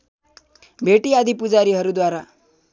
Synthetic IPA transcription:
bʱeʈiːad̪ʱiːpud͡zaɾiːɦəɾuːd̪ʋaɾa

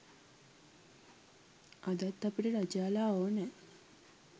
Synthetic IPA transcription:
ʔad̪at̪ːapiʈəɾad͡ʒaːlaːonɛ

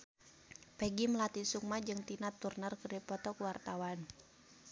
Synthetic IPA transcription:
pɛɡimlat̪isuk̚mad͡ʒɨŋt̪inat̪ːurnərkərdipɔt̪ɔkuwart̪awan

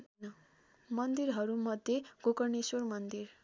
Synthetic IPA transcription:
mʌnd̪iɾɦʌɾumʌd̪ʱjeɡ̥okʌrneswormʌnd̪ir

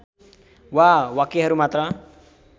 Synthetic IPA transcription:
wawakeɦʌɾumat̪rʌ

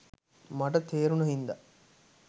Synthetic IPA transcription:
mɐʈɐt̪ʰeːɾunɐɦind̪a

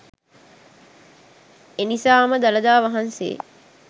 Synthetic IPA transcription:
enisaːməd̪ɐlɐd̪aːʋɐɦansḛː

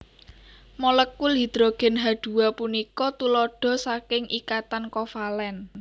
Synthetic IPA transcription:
mɔləkːulɦi̤d̪̥ɾoɡ̥ɛ̤nɦaɖ̪̥ṳwapunikɔt̪ulɔɖ̥ɔ̤sakɪŋʔikat̪ankɔfalɛn

